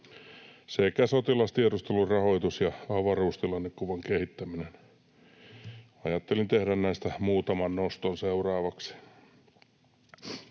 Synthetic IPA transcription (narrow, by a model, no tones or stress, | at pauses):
sekæsot̪ilɑst̪iedust̪elurrɑhoit̪usjɑɑʋɑruːst̪ilɑnːekkuʋɑŋkehit̪ːæminen | ɑjɑt̪ːelint̪ehdænnæist̪æmuːt̪ɑmɑnnost̪onseurɑːʋɑksi̥